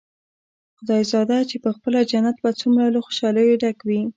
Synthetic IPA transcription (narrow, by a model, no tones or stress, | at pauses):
xʊd̪ɑjzɑd̪at͡ʃepəxpəlad͡ʒanat̪̚bat͡sumɾalaxo̥ʃɑləjoɖakwi